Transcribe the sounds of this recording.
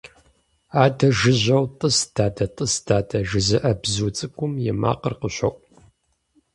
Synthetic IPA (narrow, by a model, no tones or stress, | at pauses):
aːdɐʒɨʑʷɐwtʼɨsd̥ʰaːdɐtʼəsdʰaːdʰɐʒɨzɨʔɐbzut͡sʼɨkʷʼʊmjɛma̰ːqərqəɕʷɐʔʷʼ